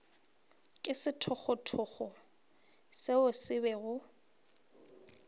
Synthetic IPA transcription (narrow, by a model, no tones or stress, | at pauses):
kʼɪsɪtʰɔk͡xʊtʰʊχɔ | sɪʊsɪbɛɣʊ